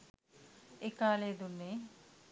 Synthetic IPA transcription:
ekaːled̪unːe

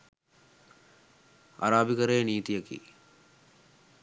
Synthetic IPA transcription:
a̰ɾaːbikəɾeːniːt̪ijəkḭː

